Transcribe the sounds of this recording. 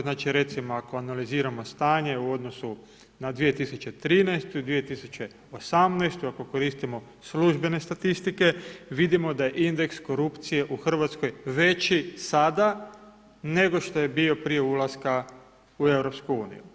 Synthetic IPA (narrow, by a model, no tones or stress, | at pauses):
znaːt͡ʃiɾe̞t̪simoako̞analiziːɾamo̞st̪aːɲe̞uo̞d̪no̞su | nad̪ʋije̞t̪isut͡ɕe̞t̪ɾiːnajst̪uid̪ʋije̞t̪isut͡ʃe̞ | osamnajst̪uako̞ko̞ɾiːst̪imo̞ | sluʒbe̞ne̞st̪at̪ist̪ike̞ʋid̪imo̞d̪aje̞ʔind̪e̞ksko̞ɾupt̪sije̞ʔuxr̩ʋat̪sko̞jʋe̞t͡ʃisad̪a | ne̞ɡo̞ʃt̪o̞je̞bio̞pɾije̞ulˠaska | ue̞wɾo̞pskuuːnḭju